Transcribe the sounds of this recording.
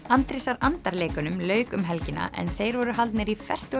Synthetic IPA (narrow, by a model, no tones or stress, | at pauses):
ant̪ɾɪsaɾant̪aɾleːkʏnʏmlœːɥkʏmɦɛlcɪnːa̰ʔɛ̰nθejɾvɔɾʏɦalt̪nɪɾifɛr̥t̪ʏ